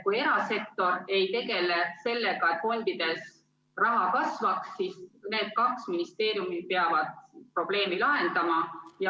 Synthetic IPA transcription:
kuje̞ɾɑse̞k̚t̪o̞ɾe̞jt̪e̞ɡe̞le̞se̞lːe̞ɡ̥ɑet̪fo̞nʲd̪̥id̪̥e̞s | rɑɦɑkɑsvɑksːisne̞ːd̪̥̚kɑksminist̪e̞ːɾjumi̥peɑvɑd̪̥̚pro̞b̥le̞ːmilɑɦe̞nd̪̥ɑmɑjɑ

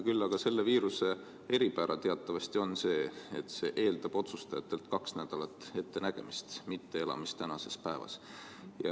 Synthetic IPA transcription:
kylːɑɡ̥ɑse̞lːeviːɾuse̞ | e̞ɾipæɾʔɑt̪eɑt̪ˑːɑvɑst̪io̞nse̞ːet̪ˑse̞ːʔe̞ːld̪̥ɑb̥o̞t̪sust̪ɑjɑt̪ːˑe̞lt̪kɑksnæd̪̥ɑlɑt̪ːˑe̞t̪ːe̞næɡ̥e̞̰mist̪mit̪ːe̞e̞lɑ̰mist̪ːænɑse̞spæevɑ̰s | jɑ̰

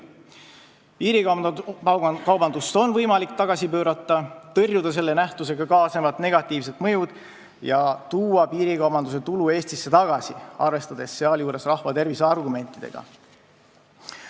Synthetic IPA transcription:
piːɾi | kɑwbɑnd̪ust̪o̞nvɤjmɑlikt̪ɑɡ̥ɑsipø̞ːɾɑt̪ˑːɑt̪ɤrjud̪̥ɑs̬e̞lːe̞næht̪use̞ɡ̥ɑkɑːsemɑt̪ne̞ɡ̥ɑt̪ːˑiːvse̞t̪mɤ̞jud̪̥ | jɑt̪uːɑpiːɾikɑwbɑnd̪us̬e̞t̪ulue̞ːst̪isːe̞t̪ɑɡ̥ɑsiɑ̰rve̞st̪ɑd̪̥e̞sːe̞ɑljuːɾe̞srɑhvɑt̪e̞rvisɑrɡume̞nt̪ːˑid̪ḛɡ̥ɑ̰

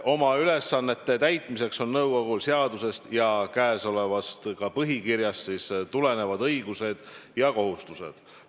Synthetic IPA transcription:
ʔo̞mɑyle̞sːɑnːe̞t̪ːe̞t̪æjt̪ˑmise̞kso̞nːɤwɡ̥oɡulseɑd̪̥use̞st̪jɑkæːso̞le̞vɑst̪kɑpɤɦikiɾjɑstsist̪ule̞ne̞vɑd̪ɤjɡuse̞d̪̥jɑko̞ɦust̪use̞̰d̪̥

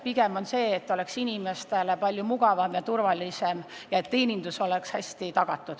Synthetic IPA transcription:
piɡ̥emo̞nse̞ːt̪ːˑo̞le̞ksinime̞st̪e̞lepɑlʲjumuɡ̥ɑvɑmjɑt̪urvɑlisem | jɑe̞t̪ːe̞ːnʲind̪̥uso̞lekshæsʲt̪it̪ɑɡ̥ɑt̪ːˑud̪̥

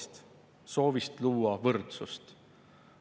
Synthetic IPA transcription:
t̪ | so̞ːvist̪luːɑvɤrt̪sust̪

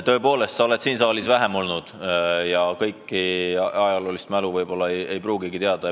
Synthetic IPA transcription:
t̪ø̞ːpo̞ːle̞st̪sɑole̞t̪siːnsɑːlisvæɦemo̞lnud̪̥jɑkɤjkːiɑjɑlo̞ːlist̪mæluvɤjb̥o̞lːɑeje̞jpruːɡiɡ̥it̪eɑd̪̥ɑ

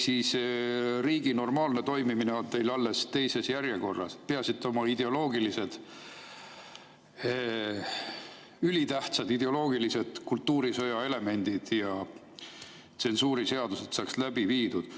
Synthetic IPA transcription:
siːs | riːɡino̞rmɑːlne̞t̪o̞jmimineont̪e̞jlɑlːe̞st̪e̞jse̞sjæɾjeko̞rːɑ̰se̥peɑsit̪ˑːo̞mɑid̪̥e̞o̞lo̞ːɡilise̞d̪̥ | ylit̪æht̪sɑd̪id̪e̞o̞lo̞ːɡilise̞d̪̥kult̪ːuːɾisɤ̞jɑe̞le̞me̞nʲd̪̥id̪̥jɑ | t̪se̞nsuːɾise̞ɑd̪̥use̞t̪sɑːkslæb̥iviːd̪ud̪̥

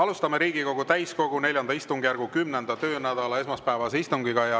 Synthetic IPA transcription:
ɑlust̪ɑme̞ɾiːɡiko̞ɡ̥ut̪æjsko̞ɡ̥une̞ljɑnd̪ɑist̪uŋɡjærɡ̥ukymnend̪ɑt̪ø̞ːnæd̪̥ɑlɑesmɑspæevɑseist̪uŋɡiɡ̥ɑjɑ

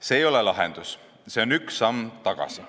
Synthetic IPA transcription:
se̞ːjo̞lelɑɦḛnd̪̥us | se̞o̞nyksːɑmt̪ɑɡ̥ɑ̰si̥

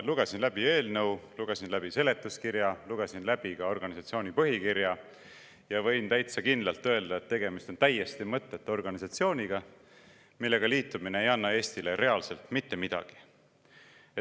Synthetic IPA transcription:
luɡ̥e̞sinlæb̥ie̞ːlnɤwluɡ̥e̞sinlæb̥ise̞le̞t̪ːˑuskiɾjɑluɡ̥e̞sinlæb̥ikɑo̞rɡ̥ɑnisɑt̪sio̞ːnipɤɦikiɾjɑ | jɑvɤ̞jnt̪æjt̪sɑkind̪lɑlt̪ːˑø̞ld̪ɑet̪ːe̞ɡe̞mist̪o̞nt̪æjːest̪imɤt̪ːe̞t̪ːo̞rɡ̥ɑnisɑt̪sio̞ːnʲiɡ̥ɑ | milːe̞ɡ̥ɑliːt̪ːˑumine̞ejɑnːɑe̞ːst̪ile̞ɾe̞ɑlse̞lt̪mit̪ːe̞mid̪̥ɑ̰ɡ̥i̥ | e

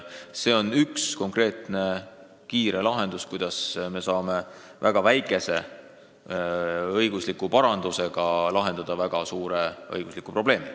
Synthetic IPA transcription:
se̞ːo̞nyksko̞ŋkre̞ːt̪ne̞ | kiːɾe̞lɑɦe̞nd̪uskujd̪ɑsme̞sɑːme̞ | væ̰ɡ̥ɑvæjkːˑe̞se̞̰ | ɤjɡ̥uslikːˑupɑɾɑnd̪̥use̞ɡ̥ɑlɑɦe̞nd̪ɑd̪ɑvæɡ̥ɑsuːɾe̞ɤ̰jɡ̥uslikːˑupro̞b̥le̞ːmi

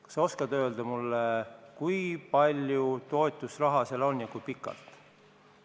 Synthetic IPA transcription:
seo̞skɑd̪̥ø̞ːld̪̥ɑmulːekujpɑlʲjut̪o̞et̪ːˑusrɑɦɑse̞lo̞njɑkujpikːˑɑ̰lt̪

